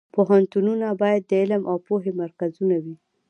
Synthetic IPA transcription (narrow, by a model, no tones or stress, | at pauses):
poɦant̪ununabɑjad̪̚ːəɪləmʔawpoɦemaɾkazunawi